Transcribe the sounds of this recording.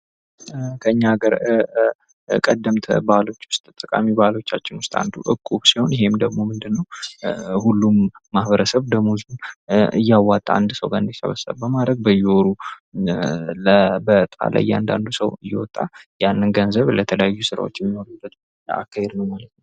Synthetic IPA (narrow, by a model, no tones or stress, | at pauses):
kʰəɨɲːaɡəɾ | kʼəd̪ːəmt̪ʰəbalo̞t͡ʃːwʊst̪ʼt̪ʼːəkʼa̰mibalo̞t͡ʃːat͡ʃːɪnwʊst̪ʼa̰nd̪uʔɨkʼːuβsiho̞njɪɦe̞md̪əɡmo̞mɨnd̪ɨnːəw | hulːumːahβəɾəsəβd̪əmuzunɨ̰jːawːat̪ʼːa̰and̪səwɡaɾɨnd̪isə̰βəsːə̰βbəmad̪ɾəɡ̚bəjɛoɾu | ləbət̪ʼa̰lʔa̰jːa̰nd̪a̰nd̪usəwɨjːɛ̰wɔ̰t̪ʼːajanːɨnɡənzəβlət̪ʰələjajːusɨɾa̰wot͡ʃːjɛmːino̞ɾubːət̪ | a̰kːahed̪nəwmalət̪nəw